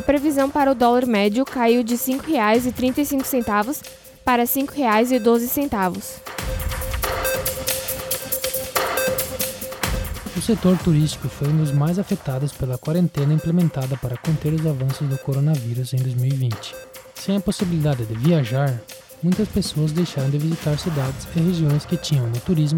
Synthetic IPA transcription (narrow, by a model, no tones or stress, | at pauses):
ɐpɾevizɐ̃w̃paɾɐʊd̪ɔlaɾmɛd͡ʒʊkaiwd͡ʒɪsĩŋkʊheajzɪt̪ɾĩnt̪ɐɪsĩŋkʊ̥sẽnt̪avʊs | paɾɐsĩkʊheajzɪd̪ozɪsẽnt̪avʊs | ʊset̪oɾt̪uɾist͡ʃi̥kʊfojũd̪ʊzmajzafet̪ad̪ʊspelɐkwaɾẽnt̪ẽnɐĩplemẽnt̪ad̪ɐpaɾɐkõnt̪eɾʊzavɐ̃sʊzd̪ʊkoɾonɐviɾʊzẽj̃d̪ojzmiwivĩnt͡ʃɪ̥sẽj̃ɐposibilid̪ad̪ɪd̪ɪviaʒaɾ | mũj̃t̪ɐspesoɐzd̪ejʃaɾɐ̃w̃d̪ɪvizit̪aɾsid̪ad̪ɪzɪheʒiõj̃skɪt͡ʃĩɲɐ̃w̃nʊt̪uɾizmʊ